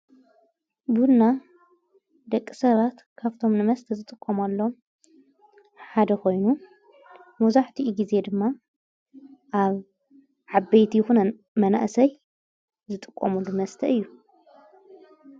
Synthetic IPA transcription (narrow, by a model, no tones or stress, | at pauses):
bunːa | d̪ɐkʼːisɐβat̪kʰaβt̪ʰo̞mnɨmɐst̪ʰɐzɨt̪ʼɨkʼːɐmɐlːom | ħad̪ɐkʰo̞jnu | muzaħt̪ʰiʔɡize̞d̪ɨmːa | ʔaβ | ʕabɐjt̪ʰijxunɐn | mɐna̰ʔsɐj | zɨt̪ʼɨkʼːɐmulːumɐst̪ʰɐɨjːu